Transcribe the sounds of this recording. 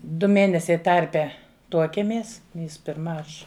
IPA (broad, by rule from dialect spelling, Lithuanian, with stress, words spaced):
ˈdʊ ˈmʲeːnʲɛsʲɛɪ ˈtɐrʲpʲɛ ˈtuɔkʲiɛmʲeːs jɪs pʲɪrˈmɐ ˈɐʃ